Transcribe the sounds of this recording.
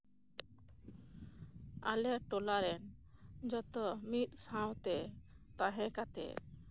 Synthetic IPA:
a̰leɾʈɔlaɾɛnd͡ʒɔt̪ɔmit̪̚sãw̃t̪ɛt̪aɦɛ̃kat̪ḛ

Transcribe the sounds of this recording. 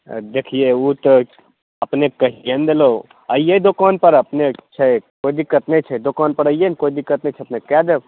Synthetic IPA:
d̪ekʰijeut̪ | əpnekəɦiend̪elo | əijed̪okaːnpəɾəpnet͡ʃʰɛkoːid̪ikːət̪net͡ʃʰɛd̪okaːnpəɾəijenkoːid̪ikːət̪net͡ʃʰɛɐpnekɛd̪ew

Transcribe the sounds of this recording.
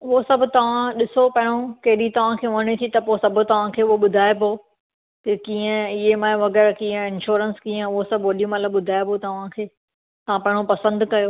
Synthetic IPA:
ʊɦosɐbʱʊ̆t̪ɐʋ̤ãɗɪsopɐɦɪɽ̃okɐɦɪɗit̪ɐʋ̤ãkʰeːʋɐɽ̃et̪ʰit̪ɐposɐbʱʊ̆t̪ɐʋ̤ãkʰeːʊɦoɓʊd̪ʱaːepoː | kɐkiːə̃ɪɦemãːʋɐɣɛːɾkĩːə̃ɪnʃoːɾənskiːə̃ʊɦosɐbʱʋɐɗijũmɐt̪ləbɓʊd̪ʱaːepot̪ɐʋ̤ãkʰeː | t̪ɐʋ̤ãpɐ̃ɦɪɽ̃opɐsə̃nd̪kɐjoː

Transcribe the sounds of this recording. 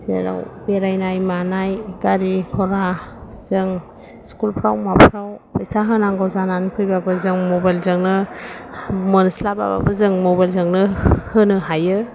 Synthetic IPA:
zeɾa̰wbeɾajnajmanajɡaɾikʰɔɾa | z̥ɯŋ | skulpʰɾawmapʰɾawpajsaɦɯnaŋɡɔwzananpʰɯjbabɯzɯŋmɔbajlzɯŋnɯ | mɔnslaba̰ba̰bɯzɯŋmɔbajlzɯŋnɯhɯnɯɦajɯ

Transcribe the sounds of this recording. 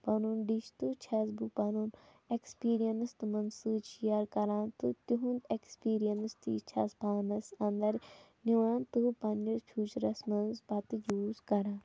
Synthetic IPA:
panuːnɖiʃt̪ut͡ʃʰɐsbupanuːn | ekspiːɾijɐnst̪ɨmɐnsɨt͡ʃijaɾkɐɾãːnt̪ɨt̪uɦũnekspiːɾijɐnst̪ḭːt͡ʃʰɐ̰spaːnɐsɐ̃nd̪ɐɾ | niʋãːnt̪ɨpɐnd͡ʒɐt͡ʃʰuːt͡ʃɾɐsmɐnzbɐt̪ɨjuːzkɐɾãː

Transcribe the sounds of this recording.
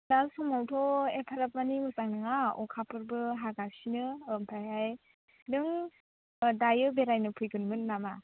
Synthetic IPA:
dalsɔmawtʰɔepʰaɾap̚manimɯsaŋnɯŋaɔ̰kʰapʰɯɾbɯɦaɡasinɯmpʰajaj | nɯŋ | dajɯbeɾajnɯpʰɯjɡɯnmɯnːama

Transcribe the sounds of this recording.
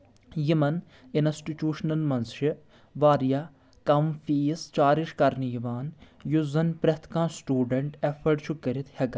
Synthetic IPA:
jimɐn | insʈiʈuːʂnɐlmɐnsʃi | ʋaːɾjaː | kɐmfiːst͡ʃaːɾiʃkɐɾnijiʋaːn | juzɐnpɾɐt̪ʰkãːsʈuːɖɐɳʈefʰɐɾɖt͡ʃʰukːɐɾit̪ʰhɐɡɐ

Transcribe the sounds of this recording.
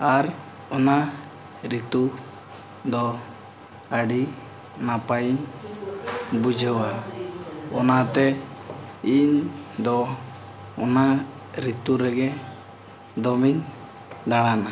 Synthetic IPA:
aɾ | ɔna | ɾit̪u | d̪ɔ | aɖi | napajiɲ | bud͡ʒʱəwa | ɔnat̪ɛ | iɲd̪ɔ | ɔna | ɾit̪uɾɛɡɛ | d̪ɔmiɲ | d̪aɽ̃ana

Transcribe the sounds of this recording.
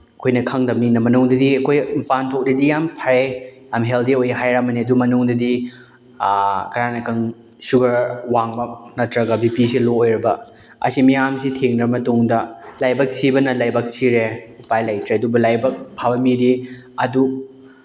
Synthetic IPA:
ɐkʰojnɐkʰɐŋdɐminɐmɐnuŋdɐdiɐkʰojpantʰok̚dɐdijampʰaɾejamɦeldiojɦajɾamɐniɐdumɐnuŋdɐdi | kɐɾanɐkʰɐŋ | suɡɐɾwaŋmɐnɐtɾɐɡɐbipisiloojɾɐbɐ | ɐ̰simijamsitʰeŋnɐbmɐtuŋdɐlajbɐk̚tʰibɐnɐlajbɐk̚tʰiɾeupajlajtɾeɐdubɐlajbɐk̚pʰabɐmidi | ɐdu

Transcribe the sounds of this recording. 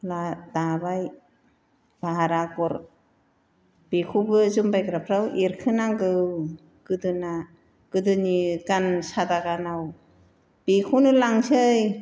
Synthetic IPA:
ladabaj | b̥aɦaɾaɡɔɾ | b̥ikʰubɯzumbajkɾapʰɾawʔiɾkʰɯnaŋɡɯ | ɡ̥ɯdɯna | ɡ̥ɯdɯniɡansadaɡanaw | b̥ikʰunɯlaŋsɯj

